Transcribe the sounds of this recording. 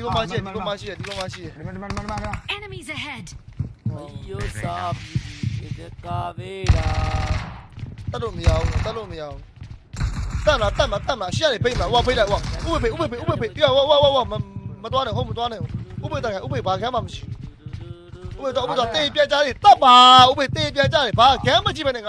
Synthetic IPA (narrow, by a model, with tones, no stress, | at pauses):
d̥i˨bɔ̃˨ma˨ʃḭ˦˨ɛ˨di˨bɔ̃˨ma˨ʃḭ˦˨ɛ˨di˨bɔ̃˨ma˨ʃḭ˦˨jɛ˨ɛnəmi˨zəɦɛd̥ | i˦jo˦sa˦˨pi˦di˨ɛ˦ka˦be˦ɾa˨ | t̪ɛ˦tlo˦˨məja˦ũ˦˨t̪ɛ˦lo˦˨məja˦u˦ | t̪ã˦˨məla˨t̪ã˦˨məla˨t̪ã˦˨məla˨ʃḭ˦˨jã˦˨ne˨be˦ɪ̃˨məla˨ʔu˦a˦˨be˦˨tːa˦˨u˦a˨ʔu˦be˨be˨ʔu˦be˨be˦˨ʔu˦be˨be˦˨pi˦a˨ʔu˦a˦˨u˦a˦˨u˦a˦˨u˦a˦˨mmət̪wa˦nã˨ɦo˦˨mət̪wa˦nã˨ʔũ˨˦ʔu˦be˨t̪ã˦˨kʰã˨˦u˦be˨ba˨ɡã˦ma˨məʃḭ˦˨ | uu˦be˨t̪u˦be˨t̪wa˨t̪e˨p̬jã˨t͡ɕa˦d̪e˨t̪ɛ˦˨ʔpa˨ʔṵ˦be˨t̪e˨p̬jã˨t͡ɕa˦ɾe˨ba˨ɡã˦mə˨t͡ɕi˦˨bɛ˦nɛ˦˨ŋa˨